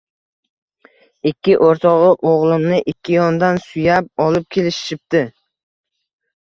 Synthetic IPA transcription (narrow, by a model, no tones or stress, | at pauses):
ɪkʲʰːɪʔoɾt̪ʰɒʁɨʔoʁlˠɪmnɪʔɪkʲʰːɪjɒnd̪ansʊjap̚ɒlˠɪp̚kʲʰe̞lɪʃɪ̥ʃɪp̚t̪ɪ